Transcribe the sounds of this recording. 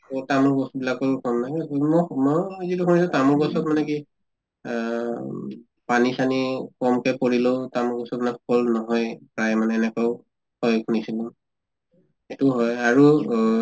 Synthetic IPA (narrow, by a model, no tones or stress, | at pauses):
tamɔɹbɔstubilakɔlkʰɔnːajmɔmɔzitukʰunisʊ̃tamɔɹɡɔsɔt̚manɛki | panisanikɔmkɛpoɹiloʊtamɔɹɡɔsɔt̚manɛkkɔlnɔɦɔjpɹajmanɛːnɛkɔʊ | kɔjkʰunisilũ | etuɦɔjaɹu